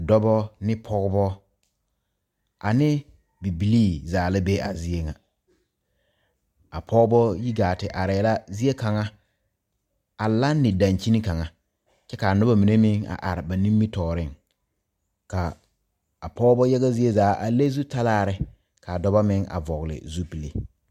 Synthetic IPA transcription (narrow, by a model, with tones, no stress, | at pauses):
dɔ˦bɔ˦nɪ˦pʰɔ˦ɣbɔ˦ | a˨nɪ˦ | bi˨bi˨liː˦zaː˨lɪ˦be˦a˨zi˦e˦ŋa˨ | a˨pʰɔ˦bɔ˦ji˦ɡaː˨tɪ˨ʔa˨ɾɪ˨la˦zi˦e˦ka˨ŋa˦ | a˨la˦nːɪ˨da˨nt͡ʃi˦ni˦ka˨ŋa˨ | t͡ʃɛ˦ka˨a˨nʊ˦ba˦mi˨ne˦mɪ˦ŋa̰˨ʔa˨ɾɪ˨ba˨ni˦mːi˦tɔː˨ɾɪ˦˨ŋ | ka˨ | a˨pɔː˦bɔ˦jɛ˦ɣa˦zi˦e˦zaː˨˦ʔa˨le˦zu˦ta˦laː˦˨ɾɪ˨ | ka˨dɔ˨ba˦mɪ˦ŋa̰˨vɔ˨ɣlɪ̰˨zu˦pi˨lḛ˨